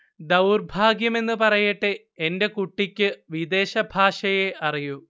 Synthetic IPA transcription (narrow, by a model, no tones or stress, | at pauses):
d̪ɐwurbʱaːɡjɐme̞nːɨpɐrɐjiʈːɨ | ende̞kuʈːikʲːɨʋid̪e̞ːɕɐbʱaːʂɐje̞ʔɐriju